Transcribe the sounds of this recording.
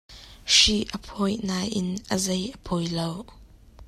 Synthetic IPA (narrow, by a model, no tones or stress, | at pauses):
ʃiʔəpʰɔjnaːjʔɪnʔəzejʔəpʰɔjlow